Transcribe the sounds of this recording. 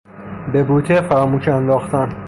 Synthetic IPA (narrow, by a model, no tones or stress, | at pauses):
be̞buːt̪ʰefæɾɒːmuːʃænd̪ɒːxt̪æn